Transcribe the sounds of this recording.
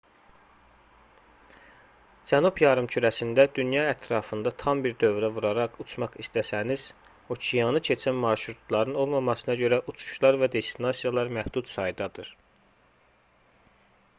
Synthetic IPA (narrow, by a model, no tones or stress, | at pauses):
d͡ʒænubjɑɾɯmcʰyɾæsind̪æd̪ynjɑæt̪ʰɾɑːfɯnd̪ɑt̪ʰɑmbiɾd̪ø̞vɾævuɾɑɾɑʁut͡ʃʰmɑχist̪æsæniz̥ | o̞cʰijɑnɯcʰe̞t͡ʃʰænmɑɾʃɾut̪ʰlˠɑɾɯno̞lˠmɑmɑsɯnɑɟø̞ɾæʔut͡ʃʰu̥ʃlˠɑɾvæd̪e̞st̪inɑsijɑlˠɑɾmæhd̪̥ut̪sɑjd̪ɑd̪ɯɾ